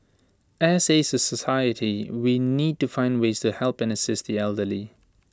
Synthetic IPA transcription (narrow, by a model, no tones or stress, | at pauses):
æsesəsəsaɪətʰiwinid̚tufãɪ̃ndweɪztʰuhɛlˠpɨ̃nəsɪsðiɛlˠdəli